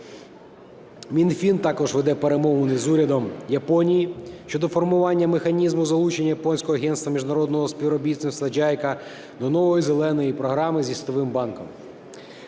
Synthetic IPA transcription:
mʲinfʲint̪ɑkɔʒʋed̪ɛpeɾemɔʋɔnɪzuɾʲɐd̪ɔmjɐpɔnʲijiʃʲt͡ʃɔd̪ɔfɔrmʊʋɑnʲːɐmexɐnʲizmʊzɐlˠut͡ʃenʲːɐjɐpɔnʲsʲkɔɦɔɐɦɛnst̪ʋɐmʲiʒnɐɾɔd̪nɔɦɔspʲiʋɾɔbʲit̪ʲenst̪ɐd͡ʒɑjkɐ | d̪ɔnɔʋɔjizelˠɛnɔjipɾɔɦɾɑmɪzʲisʲt̪ɔʋɪmbɑnkɔm

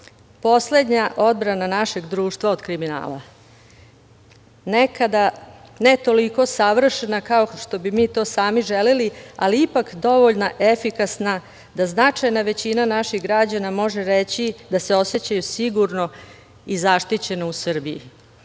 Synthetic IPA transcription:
po̞sle̞d̪ɲaʔo̞d̪bɾananaʃe̞ɡd̪ɾuːʃt̪ʋao̞d̪kɾimina̰ːla̰ | nekad̪ane̞t̪o̞liko̞saʋr̩ʃenakaoʂt̪o̞bimiːt̪o̞ːsaːmiʒelilia̰liipakd̪o̞ʋo̞ʎnaʔefikasna | d̪aznat͡ʂajnaʋe̞t͡ɕinanaʃiɣɡɾad͡ʑanamo̞ʒeɾet͡ɕid̪ase̞o̞se̞t͡ɕajusiɡuɾno̞ | izaʃt̪it͡ɕe̞nousr̩bijḭ

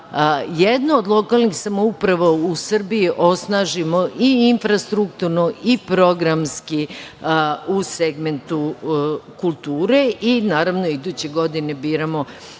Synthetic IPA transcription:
jed̪noːd̪lˠo̞kalˠnixsamoupɾaʋousr̩biiʔo̞snaːʒimoʔiinfɾast̪ɾukt̪uɾnoʔipɾo̞ɡɾamski | useɡme̞nt̪u | kulˠt̪uːɾeʔinaːɾaʋnoid̪uːt͡ɕe̞ɡo̞d̪inebiːɾamo̞

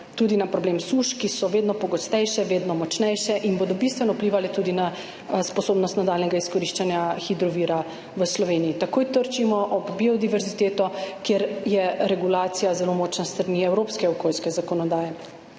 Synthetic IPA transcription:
t̪uːd̪inapɾɔbleːmsuʃkisɔʋeːd̪nɔpɔɡɔst̪ɛjʃɛʋeːd̪nɔmɔt͡ʃnɛjʃɛʔinboːd̪ɔbist̪ʋɛnɔupliːʋalɛt̪uːd̪ina | spɔsoːbnɔst̪nad̪aːlnɛɡaiskɔɾiʃt͡ʃanjaxid̪ɾɔʋiːɾa | ʋəslɔʋeːniːt̪akoːjt̪əɾt͡ʃimɔʔɔbbiɔd̪iʋɛɾzit̪eːt̪ɔkjeɾjɛɾɛɡulaːt̪sijazɛlomɔːt͡ʃnast̪ɾaniɛwɾopskɛɔkoːlskɛzakɔnɔd̪aːjɛ

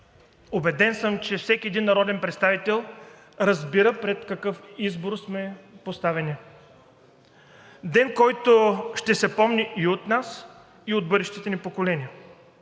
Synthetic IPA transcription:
obɛd̪ɛnsəmt͡ʃɛfsɛkʲiɛd̪inːɐɾɔd̪ɛnpɾɛt̪st̪avit̪ɛlˠ | ɾɐzbiɾəpɾɛt̪kɐkɤfizboɾsmɛpost̪avɛnʲi | d̪ɛnkɔjt̪oʃt̪ɛsɛpɔmniʔiot̪nas | iod̪bɤd̪ɛʃt̪it̪ɛnipokolɛnʲiə

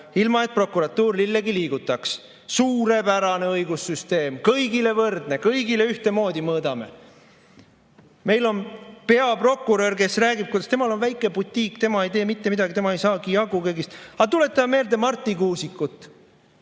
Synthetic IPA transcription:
ilmɑe̞t̪̚pro̞kːuɾɑt̪ːuːrlilːeɡiliːɡut̪ːˑɑks | suːɾe̞pæɾɑne̞ɤjɡ̥usyst̪e̞ːmkɤjɡile̞vɤrd̪ne̞kɤjɡile̞yht̪e̞mo̞ːd̪imɤːd̪̥ɑme̞̰ | me̞jlo̞npe̞ɑpro̞kːˑuɾø̞rke̞sræːɡib̥̚kujd̪ɑst̪e̞mɑlo̞nvæjkˑːe̞but̪ʲːˑiːkːt̪e̞mɑe̞jt̪eːmit̪ːe̞mid̪ɑɡit̪e̞mɑe̞jsɑːkijɑɡukejɡist̪ɑt̪ule̞t̪ːˑɑmmeːld̪e̞mɑrt̪ˑːikuːsikːˑut̪ːˑ

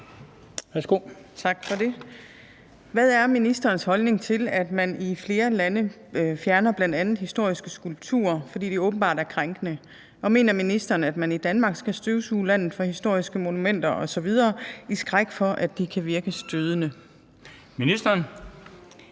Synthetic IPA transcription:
ʋæɐsɡ̥o̝t͡sʰɑ̈ɡ̥fɒ̽de̝ | ʋæðˠæɐminisd̥ɐːnshɒ̽lne̝ŋt͡sʰe̝læd̥mænifle̝ːɐlænə | fjæɐnɐb̥lænd̥ænð̩ˠhisd̥o̝ɐ̰isɡ̥əsɡ̥ulb̥̚t͡sʰṵɐ̰fɒ̽d̥ḭːd̥iɔ̽ːb̥n̩b̥ɑ̈ːd̥æɐkʰʁaŋɡ̥ənə | ʔɒ̽me̝̰ːnɐminisd̥ɐːnæd̥mænid̥ænmɑ̈ɡ̥sɡ̥æsd̥øʊsuːlæn̰ð̩ˠfɒ̽hisd̥o̝ɐ̰isɡ̥əmo̝numen̰d̥ɐʔɒ̽sɒ̽ʋið̞ˠɐːisɡ̥ʁaɡ̥fɒ̽ʔædd̥ikʰæʋiɐɡ̥əsd̥øð̞ˠənə | minisd̥ɐn

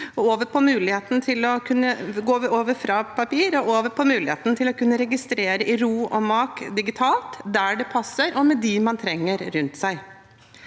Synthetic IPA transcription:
ɔoːʋəpʰɔmʉːlɪheːt̪n̩t̪ʰɪlɔkʰʉnːəɡoːʋəoːʋəɾfɾɑpʰɑpiːɾɔoːʋəpʰɔmʉːlɪheːt̪n̩t̪ʰɪlɔkʉnːəɾɛɡɪst̪ɾeːɾəʔɪɾuːɔmɑːkd̪ɪɡɪt̪ʰɑːlt̪d̪æɖɛpʰɑsːəɾʔɔmɛd̪imɑnt̪ʰɾɛŋːəɾɾʉnt̪sæɪ

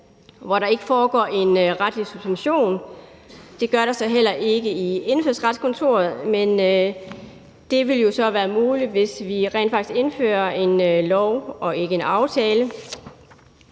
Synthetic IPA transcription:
ʋɒɾɑ̈e̝ɡ̥əfɒːɡ̥ɒ̰ːe̝nʁad̥lisub̥sʋenɕo̝̰ːn | d̥e̝ɡ̥ɶɐɾɑ̈sɒ̽ɦel̰ɐʔe̝ɡ̥əie̝nføɐ̰sʁɑd̥skʰɒ̽nt͡sʰo̝ːɐð̞̩ˠmenø | d̥e̝ʋe̝ljo̝sɒ̽ʋæːɐmuːlid̥ʋe̝sʋiʁɛ̰ːn̥fɑ̈ɡ̥se̝nfø̰ːɐe̝nlɒʊɒ̽e̝ɡ̥əe̝nɑ̈ʊt͡sʰɛːlə

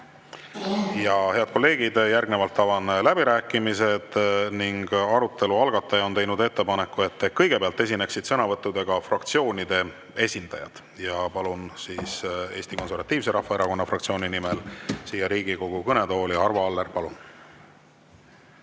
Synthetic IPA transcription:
jɑhe̞ɑd̪̚ko̞lːe̞ːɡ̥id̪̥jærɡ̥ne̞vɑlt̪ːɑvɑnlæb̥iɾæːkːˑimise̞d̪̥niŋɡ̥ɑɾut̪ːˑe̞luɑlɡ̥ɑt̪ːˑɑjɑo̞ne̞jnud̪e̞t̪ːe̞pɑne̞kːˑue̞t̪ːekɤ̞jɡ̥e̞peɑlt̪ːˑe̞s̬ʲine̞ksid̪̥sɤnɑvɤt̪ːˑud̪e̞ɡ̥ɑfrɑkt̪sio̞ːnʲid̪̥e̞ | e̞sʲind̪̥ɑ̰jɑ̰d̪̥ | jɑpɑlunsiːse̞ːst̪iko̞nseɾvɑt̪ːˑiːvse̞ɾɑhːɑeɾɑko̞nːɑfrɑkt̪sio̞ːnʲinimelsiːjːɑɾiːɡ̥iko̞ɡ̥ukɤne̞t̪o̞ːliɑrvɑɑlːeɾpɑlun

